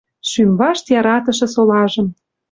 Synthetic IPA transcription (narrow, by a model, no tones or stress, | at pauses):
ʃymβɑʃt̪jɑɾɑt̪ɤ̆ʃɤ̆solɑʒɤ̆m